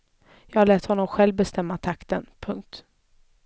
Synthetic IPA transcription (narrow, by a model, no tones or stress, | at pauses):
jɑːɡhaɭɛːt̪hɔnːɔmɧɛlvbɛst̪ɛmːat̪ʰakt̪ənpʰɵŋk̚t̪